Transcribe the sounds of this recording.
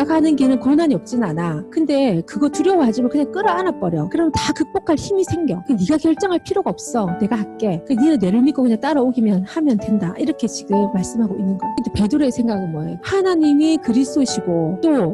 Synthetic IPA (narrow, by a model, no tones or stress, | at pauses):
aɡanɯnɡinɯnkʌnaɲiʌp̚t͡ɕ͈inɯnanakɯnde̞kɯɡʌtuɾjʌwɦad͡ʑimɯɭkɯɲaŋk͈ɯɾʌanap͈ʌɾjʌkɯɾʌmntakɯk̚p͈okʰaɭçimisʰe̞ŋɡjʌkɯeniɡakjʌɭt͡ɕ͈ʌŋɦaɭpʰiɾoɡaʌp̚s͈ʌne̞ɡahak͈e̞ɯkeninɯnːe̞ɾɯɭmik͈ʰokɯɲaŋt͈aɾʌoɡimjʌnhamjʌndwe̞ndaʔiɾʌkʰe̞t͡ɕiɡɯmːaɭs͈ɯmɦaɡoinːɯnɡʌkɯndepe̞duɾesʰe̞ŋɡaɡɯnmwʌejohanaɲimikɯɾisʰtʰoɕʰiɡot͈o